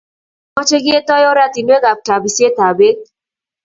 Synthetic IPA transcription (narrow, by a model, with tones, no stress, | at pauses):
mɔ˦t͡ʃe˦ɡi˦e˦t̪ɔ˦jɔ˦ɾa˦t̪i˨n˦e˦ɡa˨p̚ta˨bi˨se˦t̪a˨be˦k